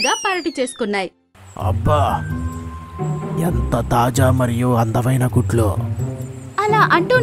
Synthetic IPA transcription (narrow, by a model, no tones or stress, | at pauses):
ɡaːpɐɾɐʈit͡ʃe̞ːsu̥kunːaːji | ɐ̰bːaː | ent̪ɐt̪aːd͡ʒaːmɐɾijuɐnd̪ɐʋɐjnɐkuʈlo̰ː | ɐlaːʔɐɳʈu